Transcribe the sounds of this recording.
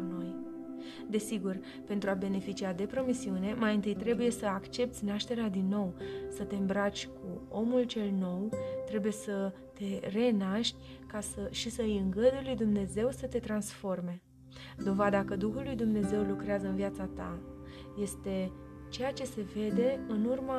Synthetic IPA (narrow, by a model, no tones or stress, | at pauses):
no̞j | d̪e̞siɡur | pe̞nt̪ɾuabe̞ne̞fit͡ʃiad̪e̞pɾo̞misiune̞majɨnt̪ɨjt̪ɾe̞buje̞səakt͡ʃe̞p̚t̪sʲnaʃt̪e̞ɾead̪inːo̞wsət̪e̞ɨmbɾat͡ʃʲkʰuo̞mult͡ʃe̞lno̞wt̪ɾe̞buje̞sə | t̪e̞re̞naʃt̪ʲ | kasəʃisəɨjɨŋɡəd̪ujlujd̪umne̞ze̞wsət̪e̞t̪ɾansfo̞rme̞ | d̪o̞vad̪akəd̪uxulːujd̪umne̞ze̞wlukɾeazəɨnvijat̪sat̪a | je̞st̪e̞ | t͡ʃe̞jat͡ʃe̞se̞ve̞d̪e̞ɨnurma